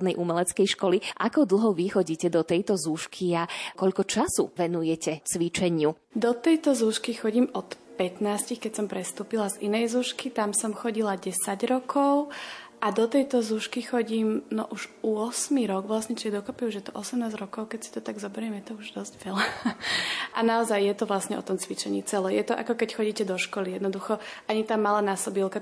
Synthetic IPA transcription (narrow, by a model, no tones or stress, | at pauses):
d̪nɛjʔumɛlɛt͡skɛjʃkɔliʔa̰kɔd̪l̩ˠɦɔʋixɔɟiːcɛd̪ɔt̪ɛjt̪ɔzuːʃkʰiakɔʎkɔt͡ʃasṵʋɛnujɛcɛt͡sʋit͡ʃɛɲɪu | d̪ɔt̪ɛjt̪ɔzuːʃkixɔɟimɔt̪ | pɛt̪naːscixkɛcsɔmpɾɛst̪uːpilazinɛjzuːʃkit̪amsɔmxɔɟilaɟɛsaɟɾɔkʰɔʊʔad̪ɔt̪ɛjt̪ɔzuʃkixɔɟiːmnɔ̰ʔuʒʊɔsmiɾɔɡʋlasɲɛt͡ʃiɛd̪ɔkɔpiuʒjɛt̪ɔʔɔsɛmnaːzɾɔkɔʊkɛcsi̥t̪ɔt̪aɡzɔbɛɾɪɛmjɛt̪ɔuʒd̪ɔzɟʋɛla | ʔanaɔzajːjɛt̪ɔʋlasɲɛʔɔ̰t̪ɔmt͡sʋit͡ʃɛɲḭːt͡sɛlɛjɛt̪ɔʔa̰kɔkɛcxɔɟiːcɛd̪ɔʃkɔlijɛd̪nɔd̪uxɔaɲit̪aːmalaːnasɔbilˠka